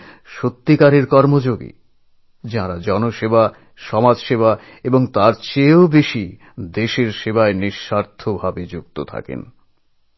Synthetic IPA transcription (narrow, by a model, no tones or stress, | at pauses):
ʃot̪ːikaɾeɾkɔɾmod͡ʑoɡḭ | d͡ʑaɾad͡ʑɔnoʃeba | ʃɔmad͡ʑʃeba | eboŋt̪aɾt͡ɕeobeʃi | d̪eʃeɾʃebaeniʃːaɾt̪ʰobʱabed͡ʑukt̪ot̪ʰa̰kḛn